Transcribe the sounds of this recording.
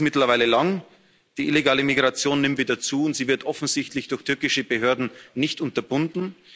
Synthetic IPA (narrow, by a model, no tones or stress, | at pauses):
mɪtlɐvaɪləlaŋ | d̥iːʔɪleɡaːləmiɡʁat͡sjoːnːɪmtviːdɐt͡suːʊntz̥iːvɪɐtʰʔɔfn̩zɪçtlɪçd̥ʊɐçtʰʏɐkɪʃəbəɦøːɐdn̩nɪçtʔʊntɐbʊndn̩